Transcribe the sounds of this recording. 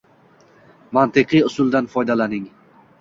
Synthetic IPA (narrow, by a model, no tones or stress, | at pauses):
mant̪ɨqʰɨjʊsʊlˠd̪anfɒjd̪alanɪŋ